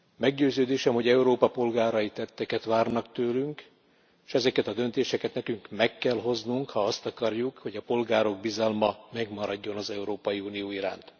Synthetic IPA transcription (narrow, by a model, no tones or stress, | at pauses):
mɛɡɟøːzøːd̪eːʃɛmho̞ɟɛuɾoːpɒpo̞lɡaːɾɒjit̪ɛt̪ːɛkɛt̪ʋaːrnɒkt̪øːlyŋk | ʃɛzɛkɛt̪ɒd̪ø̞nt̪eːʃɛkɛt̪nɛkyŋkmɛkːɛlɦo̞znuŋkhɒɒst̪ɒkɒrjukho̞ɟɒpo̞lɡaːɾo̞ɡ̚bizɒlmɒmɛɡmɒɾɒɟːo̞nɒzɛuɾoːpɒjiunijoːiɾa̰ːnt̪